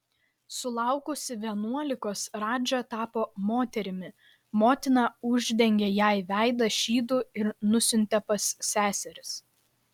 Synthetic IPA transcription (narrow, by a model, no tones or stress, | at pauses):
sʊlˠɑʊkʊsʲɪʋʲiɛnuɔlʲɪkoːsɾɑːd͡ʒʲot̪ɑːpoːmoːt̪ʲɛɾʲɪmʲɪ | moːt̪ʲɪnɑʊʒʲd̪ʲɛŋʲɡʲɛjæɪʋʲæˑɪd̪ɐʃʲiːd̪uːɪɾnʊsʲʊnʲt̪ʲɛpɐsːʲæːsʲɛɾʲɪs